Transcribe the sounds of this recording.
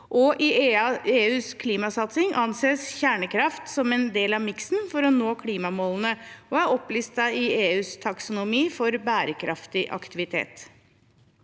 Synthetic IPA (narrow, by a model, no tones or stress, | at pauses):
ʔɔʔɪeːʉːskʰliːmɑsɑt̪sɪŋʔɑnseːsçæːɳəkʰɾɑft̪sɔmɛnd̪eːlɑʋmɪksnfɔɾɔnoːkʰliːmɑmolən̩əʔɔɑɾɔpliːst̪sæɪɪeːʉːst̪ʰɑksʊnʊmiːfɔɾbæːɾəkʰɾʔɑft̪ɪʔɑ̰kt̪ɪʋɪt̪ʰḛːt̪